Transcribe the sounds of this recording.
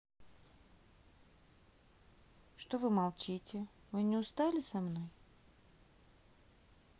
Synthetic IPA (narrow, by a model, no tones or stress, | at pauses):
ʂt̪ovɨmɐlˠt͡ɕitʲɪ | mɨnʲɪʊst̪alʲɪsɐmnoj